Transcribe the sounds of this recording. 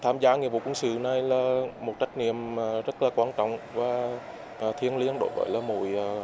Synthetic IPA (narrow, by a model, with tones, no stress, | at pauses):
t̪ʰaː˧mzaː˧ŋi˨əvṵ˧˩kwənsɨ̰˧˨na˨˩jlaː˨˩mo˨˩t̚t͡ɕa˦˥jk̟̚ŋḭ˧˨əmː˨˩zə˦˥t̚laː˨˩kwaː˧nt͡ɕɔ̰˧˨wŋ͡mvaː˨˩ | ʔːt̪ʰi˧ənli˧ənɗo̰˧˦jvə̰ː˨˦jlaː˨˩mṵ˧˩jː